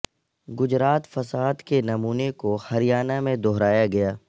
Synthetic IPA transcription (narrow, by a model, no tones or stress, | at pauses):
ɡʊd͡ʒɾaːt̪fɐsaːd̪kenɐmuːnekohɐɾijaːnamẽd̪ɔɦɾaːjaɡɐjaː